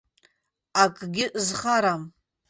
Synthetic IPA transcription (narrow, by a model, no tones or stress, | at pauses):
akʼɡʲɪʔzχaɾam